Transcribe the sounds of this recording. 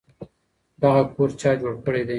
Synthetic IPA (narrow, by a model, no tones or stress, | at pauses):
d̪aɣakoɾt͡ʃɑjd͡ʒoɽkəɽed̪e